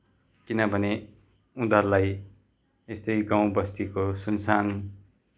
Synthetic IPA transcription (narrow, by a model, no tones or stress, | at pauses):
kinʌbʱʌne | ud̪ʌrlaj | est̪ʌjɡãw̃bʌst̪ikosunsan